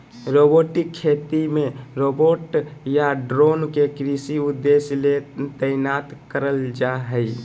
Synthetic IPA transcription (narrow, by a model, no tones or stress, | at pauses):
ɾoboʈikʰːet̪imẽɾoboʈjaɖɾonkekɾisiud̪ːeslet̪əɪnat̪kəɾəld͡ʒaɦəj